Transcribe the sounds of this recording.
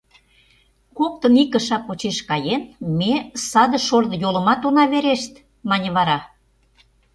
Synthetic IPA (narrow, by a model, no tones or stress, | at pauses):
kok̚t̪ə̆nikə̆ʃɑpot͡ɕeʃkɑjenmesɑd̪ə̆ʃorðəjolə̆mɑt̪onɑβeɾeʃt̪ | mɑnʲə̆βɑɾɑ